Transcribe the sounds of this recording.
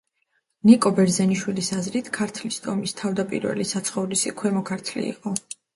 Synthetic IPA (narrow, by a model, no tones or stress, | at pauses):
nikʼɔbɛɾzɛniʃwilisazɾit̪ʰkʰaɾt̪ʰlist̪ʰʼɔmist̪ʰavd̪apʼḭɾvɛ̰lisat̪sʰχɔvlisikʰwɛmɔkʰaɾt̪ʰlḭḭqʼɔ